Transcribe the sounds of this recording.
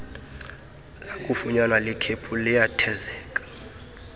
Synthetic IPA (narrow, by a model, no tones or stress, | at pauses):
lakʼufuɲanwalɛkʰepʰulɛjatʰɛzɛːkʼḁ